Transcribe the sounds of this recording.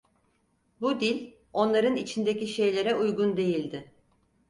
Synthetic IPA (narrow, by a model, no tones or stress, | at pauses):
bud̪ilʲ | o̞nlˠaɾɯnit͡ʃʰind̪eciʃe̞jlʲe̞ɾɛujɡund̪e̞jilʲd̪ɪ